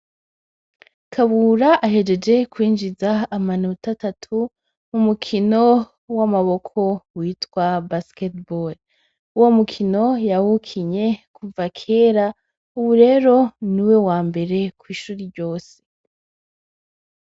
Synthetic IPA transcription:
kʰaβuɾaʔaɦe̞d͡ʒe̞d͡ʒe̞kwiːnd͡ʒizaːmanutatatʰu | mumukʰino̞ | wamaβo̞kʰo̞wiːtkwabasketbol | uwo̞mukʰino̞jawukʰiɲe̞kʰuvakʰe̞ːɾa | uβuɾe̞ːɾo̞niwe̞waːmbe̞ɾe̞kwiːʃuːɾiɾɟo̞ːse̥

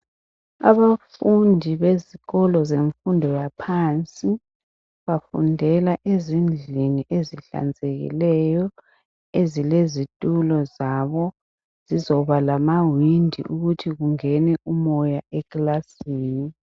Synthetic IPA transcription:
a̰βafundʱiβeziɣɔlɔzeɱfundʱɔjapʰant͡sʼi | βafṵndʱɛlaʔezind͡ɮʱiniʔeziɬa̰nd͡zʱeɣḭlɛjɔ | ezilezitʼulɔzaβɔ | z̥izɔβalamawindʱḭʔuɣutʰiɣuŋɛnɛumɔjaɛklasiːni

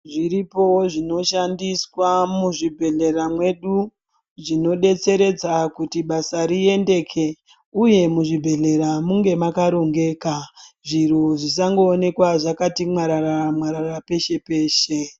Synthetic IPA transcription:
ʐiɾipo̞ʐino̞ʃandiswamuʐibʱe̞ɮe̞ramwe̞ɗu | ʐino̞ɗe̞t͡se̞ɾe̞d͡zakutiɓasaɾie̞nde̞kʰe̞ | uje̞muʐibʱe̞ɮe̞ɾamuŋɡe̞makaɾo̞ŋɡe̞ːkaʐiroʐis̬aŋɡo̞ːne̞kwaʐakatimwaɾaramwaɾarape̞ʃe̞pe̞ːʃe

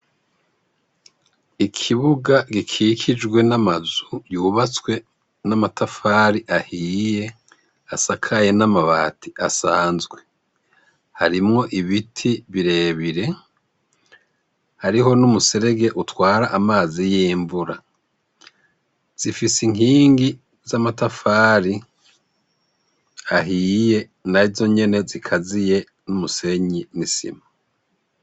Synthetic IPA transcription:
ikʰiβuɡaɡikʰiːkʰid͡ʒɡwe̞namazujuːβat͡swe̞ | namatʰafaːɾiʔahiiːje̞ | asakʰaje̞namaβaːtʰiʔasaːnzɡwe̞ | haɾimŋo̞ʔiβitʰiβiɾe̞ːβiɾe̞ | haɾiɦo̞numuse̞ɾe̞ɡe̞ʔutwaːɾaʔːmaːzijiːmbuɾa | z̥ifisiŋ̥iːŋɡi | zamatafaːɾi | aɦiːje̞ | naizo̞ɲe̞ne̞zikʰazije̞ | numuse̞ɲinisḭma

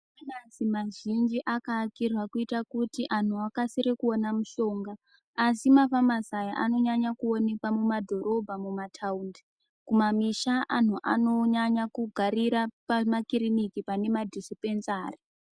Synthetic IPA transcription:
anazimaʒind͡ʒiʔakakirwakuitakutiʔan̤uakasiɾekuonamuʃo̞ːŋɡaː | simafamasajaʔano̞ɲaɲakuo̞ne̞kwamumadʱo̞ɾo̞bʱamumatʰaundi | kumamiʃaʔan̤uʔano̞ɲaɲakuɡʱaɾiɾapamakiɾinikipane̞madʱisipenzaːri

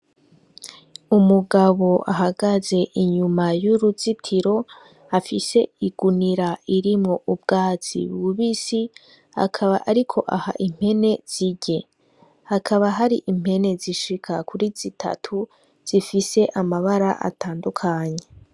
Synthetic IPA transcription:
umuɡaβo̞ʔa̰ɦaɡaze̞ʔiɲumajuɾuzitʰiɾo̞ | afise̞iɡ̥uniɾaiɾimŋo̞ʔub̚ɡaːt͡sḭβɡuβisi | ha̰kʰaβaʔaɾikʰo̞ʔaha̰ʔim̥he̞ne̞z̥iɟe̞ | hakʰaβaɦaɾiʔim̥he̞ne̞ziʃikʰakuɾiz̥itʰa̰tʰu | z̥ifise̞ʔamaβaɾaʔa̰taːndukʰaɲe̞

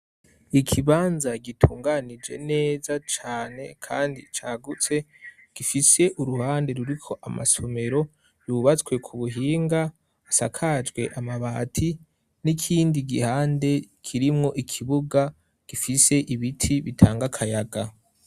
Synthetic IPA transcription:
ikʰiβaːnzaɡitʰuːŋɡanid͡ʒe̞̰ne̞ːzat͡ʃaːne̞̰kʰaːndḭt͡ʃaːɡut͡se̞ | ɡ̥ifise̞ʔuɾuhaːnde̞ɾuɾikʰo̞ʔama̰so̞me̞ɾo̞ | juβat͡swe̞kʰuβuɦiːŋɡaː | sakʰad͡ʒɡwe̞ʔamaβaːtʰi | nikʰiːndiɡihaːnde̞kʰiɾimŋo̞ʔikʰiβuɡa | ɡ̥ifise̞ʔiβitʰiβitʰaːŋɡakʰajaɡa

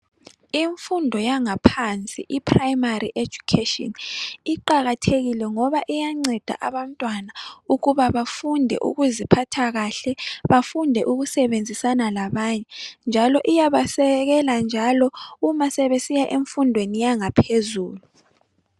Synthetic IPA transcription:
iɱfundʱɔjaŋapʰant͡sʼḭʔipʰrajmariʔe̥d͡ʒʱukʰetʼɔ̰niǃaɣatʰeɣilɛŋɔβaʔijaŋ͡ǀɛd̥ʱa̰ʔaβam̩tʼwanauɣuβaβafundʱɛ̰ʔṵɣuzipʰatʰaɣaɬɛβafundʱɛʔuɣusɛβend͡zʱisanalaβaɲɛnd͡ʒʱalɔʔijaβasɛɣɛland͡ʒʱalɔumasɛβesijaʔeɱfundʱwenijaŋapʰezuːlu

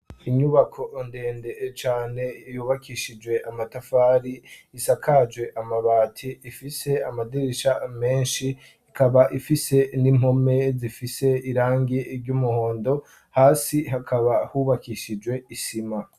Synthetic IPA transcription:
iɲuβakʰo̞nde̞ːndet͡ʃaːne̞juːβakʰiʃid͡ʒwe̞ʔamatafaːɾiːsakʰad͡ʒwe̞ʔamaβaːtʰiːfise̞amadiɾiʃame̞ːnʃiː | kaβaʔifise̞nim̥ho̞me̞zifise̞iɾaːŋɡiɾɟumuho̞ːndo̞ | haːsiɦakʰaβahuβakiʃid͡ʒwe̞isima

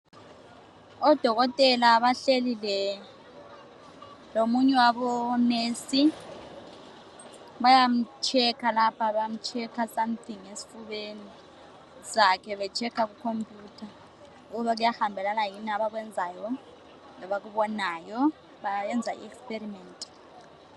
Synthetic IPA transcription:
ɔd̥ʱɔk̬ɔtʼɛlaːɓaɬelilɛ | lomuɲɛwaɓɔnesi | ɓajam̩t͡ʃʰɛkʰalapʰaɓajam̩t͡ʃʰɛkʰasamt̪ʰiŋesi̥fuɓeni | sakʰɛɓɛt͡ʃʰɛkʰak̬ukʰompʼjuːtʰa | uk̬uɓak̬ujahambʱɛlanajinaɓak̬wɛnd͡zʱajɔ | lɔɓak̬uɓɔnaːjɔ | ɓaɛnd͡zʱa̰ḭɛkspʼerimɛːntʼi̥

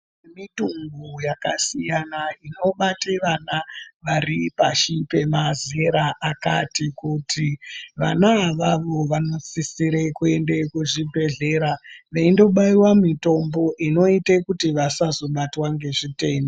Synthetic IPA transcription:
emituŋɡujaka̰sijanaino̞ɓateʋanaʋaripaʃipe̞mazeɾaʔaka̰tikutʰiʋa̰naʋaʋo̞ʋano̞t͡sisiɾekue̞nde̞kuʐibʱe̞ɮe̞ɾaʋeindo̞ɓaiwamito̞mbo̞ʔino̞itekutiʋasazo̞ɓatwaŋɡe̞ʐite̞ːndo

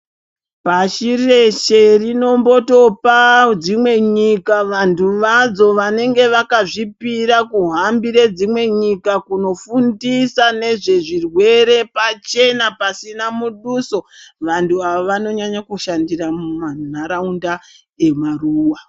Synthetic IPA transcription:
paʃire̞ʃe̞rino̞mbo̞to̞pad͡zimwe̞ɲikaʋantuʋad͡zo̞ʋane̞ŋɡe̞ʋakaʐipiɾakuɦambiɾed͡zimwe̞ɲikakuno̞fundisane̞ʐe̞ʐirwe̞ɾe̞pat͡ʃe̞napasinamuɗuso̞ʋantʰuaʋoʋano̞ɲaɲakuʃandiramumanaɾaunda | e̞maruːwa

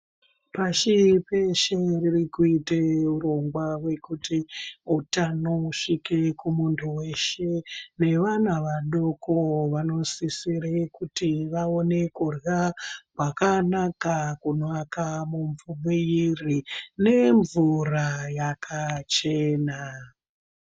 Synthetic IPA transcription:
paʃipe̞ʃeririkuiteuɾo̞ŋɡwawe̞kutiutanoʂike̞kumuntʰuwe̞ʃe̞ne̞ʋanaʋaɗo̞koʋano̞sisiɾekutiʋaone̞kurjakwakanakakunakamuɱvumiirine̞ɱvurajakʰat͡ʃe̞ːna

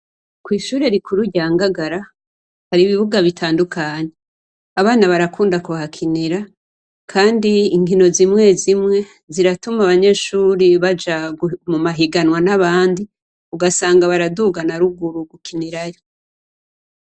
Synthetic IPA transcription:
kwiːʃuːɾe̞ɾikʰuɾuɟaːŋɡaɡaɾa | haɾiβiβuɡaβitʰaːndukʰaːɲe | aβaːnaβaɾakuːndakuβahakʰiniɾa | kʰaːndiiŋɡino̞zimŋe̞zimŋe̞ | ziɾatumaβaɲe̞ːʃuːɾiβad͡ʒaɡumumaɦiɡanwanaβaːndi | uɡasaːŋɡaβaɾaduɡanaɾuɡuɾuɡukʰiniɾajo

